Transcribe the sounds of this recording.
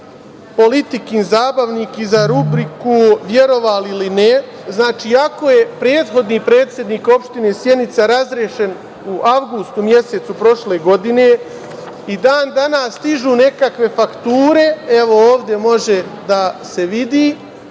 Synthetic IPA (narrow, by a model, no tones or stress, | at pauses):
po̞lit̪ikiːnzaːbaʋniːkizaɾubɾikuʋjeɾo̞ʋaliline | znaːt͡ʃiːako̞je̞pɾe̞ːt̪xo̞d̪niːpɾe̞ːt̪sje̞d̪niːko̞pʃt̪ine̞ːsje̞d̪nit̪saɾazɾjeʃe̞n | uʔawɡust̪umje̞se̞t̪supɾo̞ʃle̞ːɡo̞d̪ine̞ | id̪aːnd̪anast̪iʒuːne̞kakʋe̞fakt̪uːɾe̞eʋo̞oːʋd̪je̞mo̞ʒe̞d̪ase̞ʋid̪iː